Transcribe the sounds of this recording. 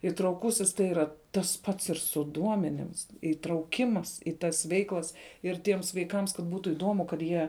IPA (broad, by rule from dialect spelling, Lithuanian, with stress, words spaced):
ɪtrɐʊˈkʊsʲɪs tɐɪ ˈiːrɐ ˈtɐs ˈpɐts ɪr sʊ ˈduɔmʲɛnʲɪms ɪtrɐʊˈkʲɪmɐs ɪ ˈtɐs ˈʋʲɛɪklˠɐs ɪr ˈtʲiɛms ʋɐɪˈkɐms kɐt ˈbuːtʊ ɪˈdoːmʊ kɐt ˈjiɛ